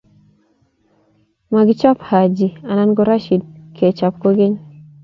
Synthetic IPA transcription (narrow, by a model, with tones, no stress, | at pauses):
ma˨ɡɪ˦t͡ʃɔ˦pha˨d͡ʒi˨a˨na˦nɡɔ˦ɾa˦ʃi˨d̚kʰe˨t͡ʃa˨p̚ko˦ɡɪ˦ɲ